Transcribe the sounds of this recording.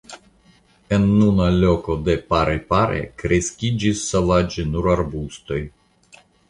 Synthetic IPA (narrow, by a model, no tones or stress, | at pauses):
enːunalʲo̞ko̞d̪e̞paɾepaɾḛkɾeskʲid͡ʒisːovad͡ʒenuɾaɾbust̪o̞j